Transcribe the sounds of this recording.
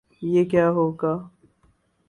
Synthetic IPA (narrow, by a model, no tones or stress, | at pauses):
jeːkjaːɦoːɡaː